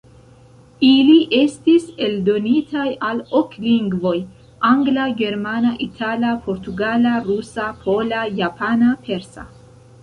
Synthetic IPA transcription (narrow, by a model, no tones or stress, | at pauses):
iliʔe̞stise̞ldo̞nitʰajalo̞kliŋɡvo̞j | aŋɡlaɡe̞ɾmanaʔitʰalapʰo̞ɾtuɡalaɾusapʰo̞lajapanapʰe̞ɾsa̰